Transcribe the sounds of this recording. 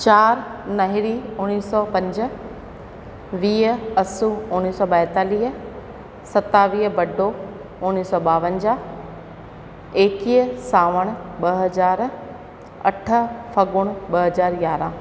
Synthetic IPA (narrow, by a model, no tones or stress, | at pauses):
t͡ɕaːɾnɐɦɪɾiʊniːsɔpɐ̃ɲd͡ʑə̆ | ʋiːɦəɐsuʊniːsɔːɓaɪt̪aːliːɦə̆ | sɐt̪aːʋiːɦ̆bɐɖo | ʊniːsɔːɓaːʋə̃ɲd͡ʑa | eːkisaːʋəɽ̃ɓɐɦɐzaːɾ | ɐʈʰə̆fɐɡʊɽ̃ɓɐɦɐzaːɾjaːɾãː